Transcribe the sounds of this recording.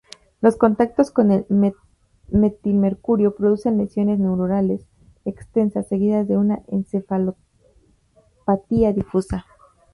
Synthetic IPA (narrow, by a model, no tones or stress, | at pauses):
lo̞sko̞nt̪ak̚t̪o̞sko̞nel | met̪ilme̞ɾkuɾjo̞pɾo̞ðuse̞nle̞sjo̞ne̞zne̞wɾuɾale̞s | e̞kst̪e̞nsasːe̞ɣiðazðe̞unaʔensefalo | pat̪iaðifusa